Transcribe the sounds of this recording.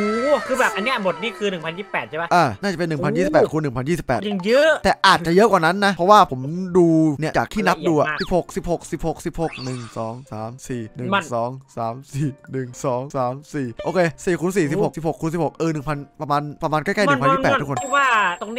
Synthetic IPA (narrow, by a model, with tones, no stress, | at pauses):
kʰɯː˧bɛː˨˩p̚ʔa˧nːi˥ɐbo˨˩t̪̚niː˥˩˨kʰɯː˧nɯ˨˩ŋpʰa˧njiː˥˩pɛː˨˩t̪̚t͡ɕʰba˦˥ʔaː˧˩naː˥˩a˨˩pe˧nːɯ˨˩pʰa˧njiː˥˩si˨˩pːɛː˨˩t̚kʰu˧nːɯ˨˩ŋpʰa˧nji˥˩si˨˩pːɛː˨˩t̪i˧jɤ˦˥t̪ɛː˨˩ʔaː˨˩t̪t͡ɕa˨˩jɤ˦˥ʔkwaː˨˩na˦˥nːa˦˥ʔpʰɾɔ˦˥waː˥˩pʰo˩˦mduː˧ni˥ɐt͡ɕaː˨˩k̚t̪ʰiː˥˩na˦˥p̚duː˧ʔa˨˩si˨˩p̚ho˨˩k̚si˨˩p̚ho˨˩k̚si˨˩p̚ho˨˩k̚si˨˩p̚ho˨˩k̚nɯ˨˩ŋsɔː˩˦ŋsaː˩˦msiː˨˩nɯ˨˩˧sɔː˩˦ŋsaː˩˦msiː˨˩nɯ˨˩ŋsɔː˩˦ŋsaː˩˦msiː˨˩ʔoː˧kʰeː˧siː˨˩kʰuː˧ns̬iː˨˩si˨p̚ho˨˩ksi˨˩p̚ho˨˩kʰːu˧ns̬i˨˩pho˨˩k̚ʔɤː˧nɯ˨˩ŋpʰa˧npɾa˧maː˧npɾa˧maː˧nkɔ˥˩jka˥˩nɯ˧˨˩pʰniː˥˧pɛ˨˩t̪ʰːkʰo˧˥˧waː˥˩t̪o˧ŋni˦˥